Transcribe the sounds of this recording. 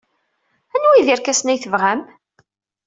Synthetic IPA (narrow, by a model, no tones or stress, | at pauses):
ænwiðiɾkæsnæjθəvʁæm